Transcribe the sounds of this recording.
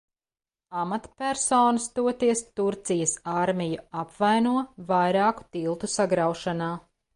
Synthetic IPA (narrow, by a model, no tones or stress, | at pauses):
amat̪pʲæɾsoːnɐst̪uɔt̪iɛst̪uɾt̪sijəsaɾmʲijuapvajnuɔvajɾaːku̥t̪ilˠt̪usaɡɾawʃanaː